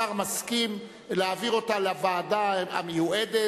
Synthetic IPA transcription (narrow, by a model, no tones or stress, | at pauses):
aʁmaskim | leaːviʁo̞talavaːdaa̰mejuʔede